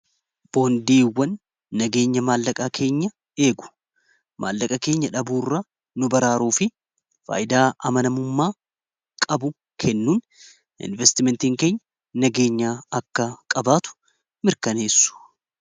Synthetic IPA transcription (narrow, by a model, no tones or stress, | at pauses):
b̥o̞ːnd̪iːwːɐnː | ɐɡe̞ːɲːɐmaːlːɐkʼakʰe̞ːɲːɐ | e̞ːɡʊ̥ | mʔa̰ːlːɐkʼɐke̞ːɲːɐᶑɐbuːrːɐ | nʊbɐɾaːɾuːfɪ | fa̰ːjʔɪd̪aːʔɐmɐnɐmʊmːaː | kʼɐbʊ | kʰɛnːuːn | ɪ̰nvɛst̪ɪmɛnt̪iːŋke̞ːɲːɐ̥ | nɐɡe̞ːɲːaːɐkːɐkʼɐbaːt̪ʊ̥ | mɪɾkɐne̞ːsːʊ̥